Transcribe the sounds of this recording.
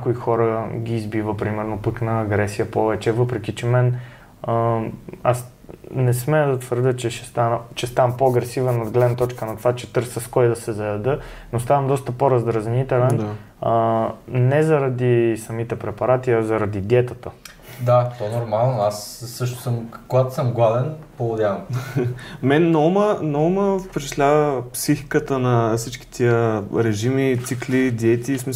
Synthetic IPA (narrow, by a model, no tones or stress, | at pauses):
ɲakoixɔɾəɡʲiːzbivəpɾimɛɾnopəknɐːɡɾɛsijəpɔvɛt͡ʃɛvɤpɾɛk̟it͡ʃɛmɛn | əas | nɛsmɛəd̪ɐt̪vəɾd̪ʲət͡ʃɛʃɛst̪anət͡ʃɛst̪anpoɐɡɾɛsivənod̪ɡlɛd̪nt̪ɔt͡ʃkənɐt̪ovat͡ʃɛt̪ɤɾsəskɔjd̪ɐsɛzɐjɐd̪ənost̪avɐmd̪ɔst̪əpoɾɐzd̪ɾɐznit̪ɛlɛn | ənɛzɐɾɐd̪isɐmit̪ɛpɾɛpɐɾat̪iɐzɐɾɐd̪id̪ʲɛt̪ət̪ə | d̪at̪ɔnoɾmalˠnoasːɤʃ̬t̪ʊ̥səmkoɡat̪ʊ̥səmɡlˠad̪ɛnpolˠod̪ʲavɐm | mɛnnɔmənɔməfpɛt͡ʃɛ̥ʃlʲavəpsixi̥kət̪ənɐfsit͡ʃki̥t̪ʰiəɾɛʒimit̪siklid̪iɛt̪ismi